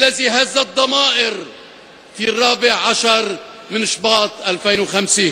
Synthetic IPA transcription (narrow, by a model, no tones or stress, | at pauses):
ʔlːaziɦazːad̪ˤːɑmɑːʔɪɾ | firˤːɑːbɪʕʕaʃɑɾˤmɪnʃbɑːt̪ˤʔalfeːnwxamsiː